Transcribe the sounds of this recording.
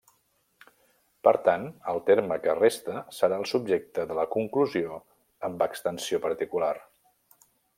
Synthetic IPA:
pəɾt̪anəlˠt̪eɾməkərest̪əsəɾaəlˠsub̚ʒek̚t̪əðələkuŋkluzio | əmbəkst̪ənsiopəɾt̪ikular

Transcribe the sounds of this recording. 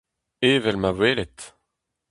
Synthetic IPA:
eːvɛlmavweːlɛt̪

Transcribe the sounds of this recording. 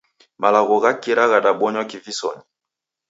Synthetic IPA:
malaɣɔɣakiɾaɣaɗaɓɔɲwɔkivisɔ̰ɲi

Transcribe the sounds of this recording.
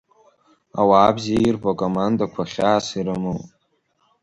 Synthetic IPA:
a̰waːbziairbakʼomandakʷʰaχʲaːsiɾɨmɨ

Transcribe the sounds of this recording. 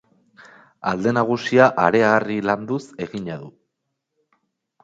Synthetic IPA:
a̰ld̪e̞naɣ̞usiaʔaɾe̞aariland̪use̞ɣiɲaðu

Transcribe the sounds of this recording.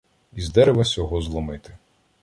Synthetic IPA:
izd̪ɛɾeʋɐsʲjɔɦɔzlˠɔmɪt̪ɪ

